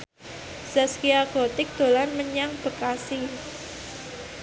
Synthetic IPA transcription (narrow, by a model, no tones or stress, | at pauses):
z̥askiaɡ̥ot̪ɪk̚d̪̥o̤lanməɲaŋb̥ə̤kasi